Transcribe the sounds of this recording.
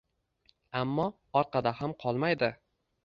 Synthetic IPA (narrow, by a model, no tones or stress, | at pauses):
amːɒ | ɒɾqɑd̪ahamqʰɒlˠmajd̪ɪ